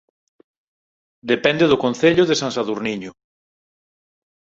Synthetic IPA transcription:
d̪epɛnd̪eðʊkonθeʎʊðesansaðuɾniɲʊ

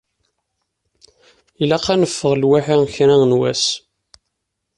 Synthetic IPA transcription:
ilæqænəfːəʁlwaħiçɾæŋnwæs

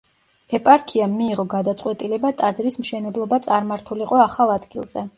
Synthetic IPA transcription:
ɛpʼaɾkʰiamːiːʁɔɡad̪at̪sʼqʼwɛt̪ʼilɛbat̪ʼad̪zɾismʃɛnɛblˠɔbat̪sʼaɾmaɾt̪ʰuliqʼɔaχalˠad̪ɡilˠz̥ɛ

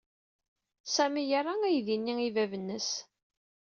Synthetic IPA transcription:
sæmijarˤaæjðinːiivævənːəs

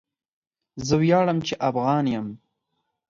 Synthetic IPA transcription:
zəwjɑɽəmt͡ʃeʔafɣɑnjəm

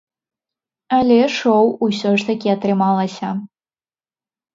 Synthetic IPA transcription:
alʲɛʂowusʲɔʂt̪ɐkʲiat̪rɨmalˠɐsʲɐ

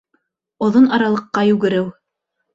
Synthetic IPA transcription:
ŏðonɑɾɑlˠɤ̆qːɑjʉɡɘ̆ɾɘw

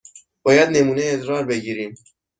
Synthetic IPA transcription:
b̥ɒːjæd̪ne̞muːne̞jeːd̪ɾɒːɾbe̞ɟiːɾiːm

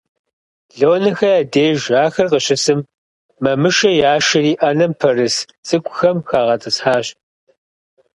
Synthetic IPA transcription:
ɮowːnɐxɐjaːdeːʒaːxɐrqəɕʼɪsɨmː | ɐmɨʃɐjaːʃɐriːʔɐnɐmpʰɐrɨs | sʼɨkʷʰʼʊxɐmxaːʁɐtʼɨsħaːɕ

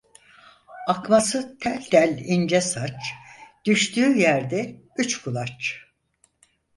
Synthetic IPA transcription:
akmasɯt̪ʰælʲt̪ʰælʲind͡ʒɛsat͡ʃd̪̥yʃt̪yːjæɾd̪ɛ | yt͡ʃkʰulˠat͡ʃ

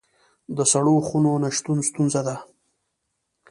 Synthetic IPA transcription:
d̪əsaɽoxunonaʃt̪unst̪unzad̪a

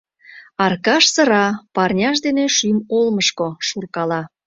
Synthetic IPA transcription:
ɑrkɑʃsəɾɑpɑrnʲɑʃ̬d̪eneʃymolməʃkoʃurkɑlɑ

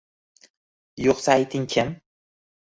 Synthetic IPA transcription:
joqsaajt̪ʰɪŋkʲʰɪm

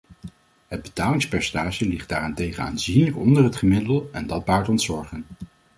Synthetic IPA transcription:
ɦəd̚bətaːlɪŋspɛɹstaːʒəlɪχd̚d̥aːrantejχəna̰ːnzinləkɔndərɦətχəmɪdəlˠɛndɑd̚baːɹtɔntsɔɹχən

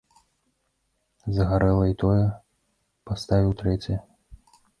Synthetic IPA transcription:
zɐɣaɾɛlˠɐit̪ɔjɛ | past̪avʲiwt̪ɾɛt͡sʲ

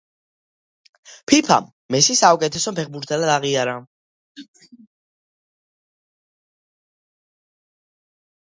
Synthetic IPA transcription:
pʰipʰa̰mːɛsisaukʼɛt̪ʰɛsɔpʰɛχbuɾt̪ʰalad̪aʁiaɾa

